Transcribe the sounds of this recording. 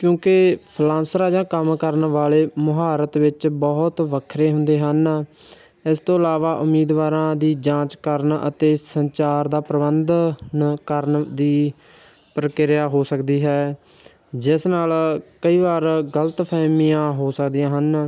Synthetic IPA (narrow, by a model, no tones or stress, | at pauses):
kjõːkɪpʰlãːnsɾaːd͡ʒãːkəmkəɾnʋaːleːmʊɦaːɾət̪ʋɪt͡ʃbəɦʊt̪ʋəkʰɾeːɦʊ̃nd̪eːɦən | ɪst̪õːəlaːʋaːʔʊmːiːd̪ʋaːɾãːd̪iːd͡ʒãːt͡ʃkəɾnə̰t̪eːsəɲt͡ʃaːɾd̪aːpɾəbənd̪nkəɾnd̪iː | pɾəkɪɾjaːɦoːsəkd̪iːɦɛː | d͡ʒɪsnaːlkəiːʋaːɾɡələt̪pʰɛːmiːãːɦoːsəkd̪ijãːɦən